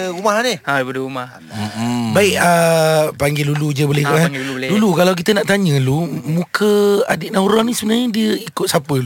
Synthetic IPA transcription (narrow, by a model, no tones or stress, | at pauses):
umaɦaniaibadəumah | baiʔəpaŋɡelulud͡ʒəbolɛkuʔadulukalawk̬it̪ənaʔt̪aɲə̃lumũkʰəa̰diʔnauɾanisəbənarɲədiəikʊt̪̚sapəlu